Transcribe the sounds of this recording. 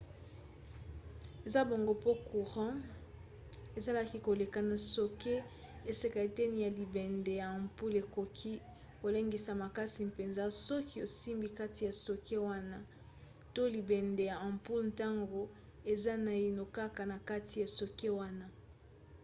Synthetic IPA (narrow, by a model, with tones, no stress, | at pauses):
e˨za˦bo˨ŋɡo˦po˦ku˨ʁɑ̃˦ | e˨za˦la˦ki˦ko˨le˨ka˨na˨so˨ke˦ | e˨se˨ka˨e˨tɛ˦ni˨ja˨li˨bɛ˨nde˨ja˨ã˨mpu˦le˨ko˨kʰi˦ | ko˨le˦ŋɡi˨sa˨ma˨ka˦si˨pe˨nza˦sɔ˦ki˦o˨si˦mbi˦ka˦ti˨ja˨so˨kʰe˦wa˦na˦ | to˦li˨bɛ˨nde˨ja˨ã˨mpu˦lnta˦ŋɡo˨ | e˨za˦na˨i˨no˨ka˦ka˨na˨ka˦ti˨ja˨so˨ke˦wa˦na˦